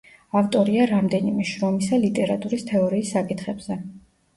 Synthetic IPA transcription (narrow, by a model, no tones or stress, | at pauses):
aft̪ʼɔɾiaɾamd̪ɛnimɛʃɾɔmisalit̪ʼɛɾat̪ʼuɾist̪ʰɛɔɾiːsːakʼit̪ʰχɛbz̥ɛ